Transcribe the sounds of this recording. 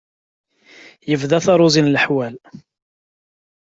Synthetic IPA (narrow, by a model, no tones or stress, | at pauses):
jəvðæθɑɾˤʊzinlħwæl